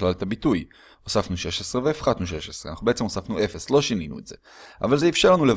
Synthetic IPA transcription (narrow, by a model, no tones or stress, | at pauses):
lalt̪abituj | osafnuʃe̞ʃe̞sʁeveːfχat̪nuʃe̞ʃesʁeanaχnubeet͡seosafnuʔe̞feslo̞ʃininṵetz̥e̞ | avalzeifʃeʁlanulev